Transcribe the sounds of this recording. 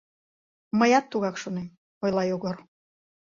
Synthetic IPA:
məjɑt̪ːuɣɑkʃonem | ojlɑjoɣor

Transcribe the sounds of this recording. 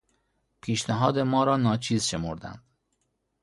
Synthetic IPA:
pʰiːʃnæɦɒːd̪e̞mɒːɾɒːnɒːt͡ʃʰiːzʃe̞moɾd̪æ̰nd̪̥

